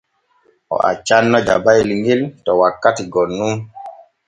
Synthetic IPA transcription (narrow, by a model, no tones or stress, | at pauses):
ʔɔ̰ʔa̰t͡ʃanːɔd͡ʒa̰bajliŋɡiltɔwakːatiɡɔnːun